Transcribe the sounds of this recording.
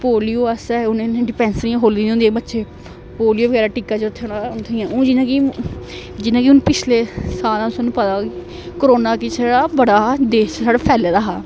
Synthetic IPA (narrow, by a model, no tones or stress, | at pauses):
poːlijoːəsɛːʊnẽːñɖɪpɛ̃ːnsɾijãːɦoːld̪ĩd̪ĩːnd̪ieːbətːʃeː | poːlijoːʋəɡɛːɾaːʈiːkaːt͡ʃʊt̪ʰːeoɽaʊnt̪ʰːjãːõːd͡ʒɪnãːki | d͡ʒɪnãːkiʊnũpɪt͡ʃʰleːsaːlãʊsonũːpət̪aːk | kəɾoːnaːkisaɽaːbəɽaːd̪eːʃsaːɽaːpʰɛːled̪aːɦaː